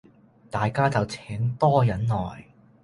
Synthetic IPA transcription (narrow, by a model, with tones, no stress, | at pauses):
t̪aː˨jkaː˥t͡sɐ˨wt͡sʰɛː˨˥ŋt̪ɔː˥jɐ˨˥nnɔː˨˩j